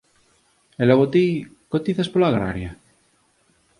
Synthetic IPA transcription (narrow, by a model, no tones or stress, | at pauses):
elaɣot̪ikot̪iθaspolaɣɾa̰ɾja